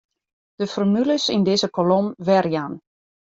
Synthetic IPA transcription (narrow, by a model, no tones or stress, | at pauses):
d̥əfɔrmyləsindɪzəkolomʋɛrjan